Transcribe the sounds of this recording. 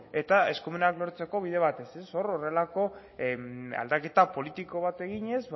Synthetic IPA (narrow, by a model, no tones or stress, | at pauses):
e̞t̪ae̞skumunaklo̞ɾt͡se̞ko̞βiðe̞β̞at̪e̞se̞so̞ɾo̞re̞lako̞ | a̰ld̪ake̞t̪apo̞lit̪iko̞βat̪e̞ɣiɲe̞z